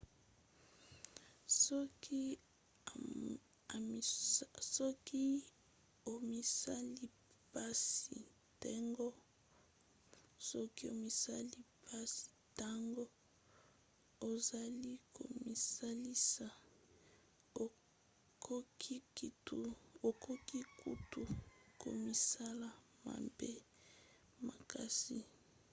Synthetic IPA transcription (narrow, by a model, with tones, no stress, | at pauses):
sɔ˦ki˦ | a˨sɔ˦ki˦ | o˨mi˨sa˦li˦ | pa˦sḭ˨ | te˦ŋɡo˦ | sɔ˦ki˦o˨mi˨sa˦li˦pa˦si̥˨ta˦ŋɡo˦ | o˨za˨li˦ko̰˨mi˨sa˦li˦sa˨ | o˨ | ko˦ki˦i˨tu˦o˨ko˦ki˦kṵ˦tu˨ko̰˨mi˨sa˦la˨ | ma̰˨be˦ | ma˨ka˦sḭ˨